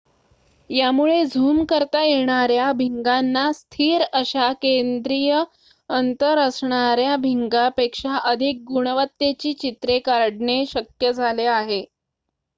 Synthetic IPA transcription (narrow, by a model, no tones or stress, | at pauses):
jamuɭed͡zʱuːmkəɾt̪ajeɳ̃aɾjabʱiŋɡanːast̪ʰiːɾəɕakend̪ɾijə | ənt̪əɾəsɳaɾjabʱiŋɡapekʂaʔəd̪ʱik̚ɡuɽ̃əʋət̪jet͡ɕiːt͡ɕit̪ɾekaɾɽɳeɕəkjəd͡zʱaleaɦe